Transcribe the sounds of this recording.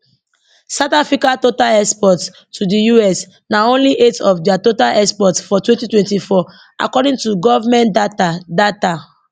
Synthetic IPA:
satafikatotalɛkspɔt | tːudijuɛs | naõnliʔetɔfdiatotalʔɛkspɔtsfɔtwɛ̃ntitwɛ̃ntifɔ | ʔa̰kɔdĩŋtuɡɔvamɛ̃ndatadata

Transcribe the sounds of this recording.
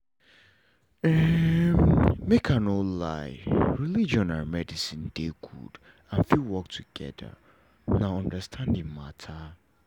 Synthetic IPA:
ɛ | mekʰãnola̰ɪɹilid͡ʒɔ̃nãnmɛdisĩnd̥eɡṵd̥ | ãnfilwɔk̚tʰuɡ̥ɛ̰də̰ | nãɔ̃ndəstʰãndɪ̃ŋmatʰa

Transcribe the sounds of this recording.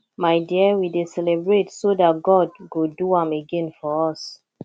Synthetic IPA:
majdiəwidesɛlɛbɹetsodat̚ɡɔd̚ɡoduãmeɡɛ̃nfɔɔs

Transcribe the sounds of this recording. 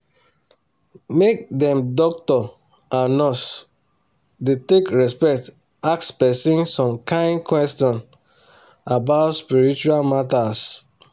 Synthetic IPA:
mek̚dɛ̃mdɔk̚tɔ | ʔãnɔs | detekɹɛspɛk̚t | akspɛsĩnsɔ̃mkãɪ̃ndkwɛstɔ̃n | abaʊtspiɹit͡ʃualmatas

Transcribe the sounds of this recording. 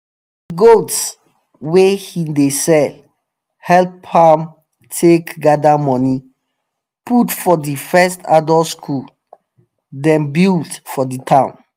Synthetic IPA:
ddiɡots | wehidesɛl | hɛlphãm | tʰekɡadamɔ̃ni | putfɔdifɛstadɔlskʰul | dɛ̃nbildfɔditʰãʊ̃n

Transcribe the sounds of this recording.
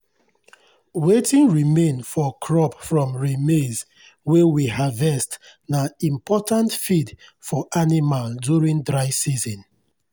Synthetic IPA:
wetĩnɹimẽnfɔkʰɹɔpfɹɔ̃mɹimez | wewiɦavɛstnaĩmpʰɔtʰãntfidfɔʔanimalduɹĩndɹaɪsizɔ̃n

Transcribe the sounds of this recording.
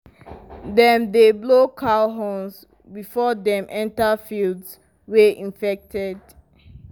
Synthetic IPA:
dɛ̃mdeblokʰalɦɔ̃ns | bifɔdɛ̃mʔɛ̃ntafilds | wɛʔĩnfɛk̚tʰɛd

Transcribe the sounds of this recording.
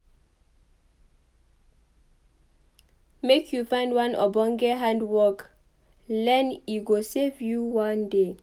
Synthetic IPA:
mekʰjufãɪ̃ndwãnɔ̰bɔ̃ŋɡɛɦãndwɔk | lɛ̃niɡosevjuwãnde

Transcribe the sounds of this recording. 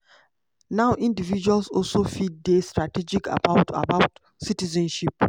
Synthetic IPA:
naʊʔĩndivid͡ʒualsɔlsofid̚destɹatɛd͡ʒika̰paʊ̃ta̰baʊt | sitizɛ̃nʃip̚

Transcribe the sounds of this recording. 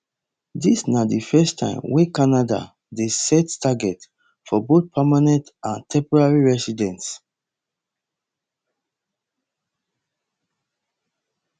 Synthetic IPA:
disnadifɛstʰãɪ̃mwekanada̰ | desɛttaɡɛt | fɔboθ̚pʰɛmanɛ̃ntãntʰɛ̃mpɔɹaɹiɹɛsidɛ̃ns

